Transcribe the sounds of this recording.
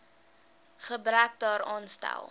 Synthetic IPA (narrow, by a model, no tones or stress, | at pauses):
χəbɾæk̚dɑːɾɑːnstæ̰lˠ